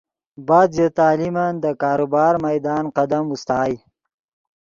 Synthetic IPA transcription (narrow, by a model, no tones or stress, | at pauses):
baːd̪zet̪aːlimand̪əkaːɾubɑːɾmajd̪ɑːnqɐd̪ɐmust̪ɑːj